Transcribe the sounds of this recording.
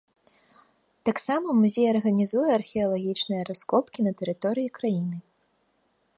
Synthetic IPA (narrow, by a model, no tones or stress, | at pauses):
t̪aksamɐmuzʲejɐrɣɐnʲizujɛɐrxʲɛɐlˠaɣʲit͡ʂnɨjɐɾaskɔpkʲinɐt̪ɛɾɨt̪ɔɾɨjikɾajinɨ